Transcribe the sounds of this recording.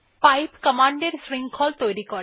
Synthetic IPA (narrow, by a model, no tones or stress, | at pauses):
pajpkəmaɳɖeɾsɾiŋɡkʰɔlt̪ojɾikɔɾ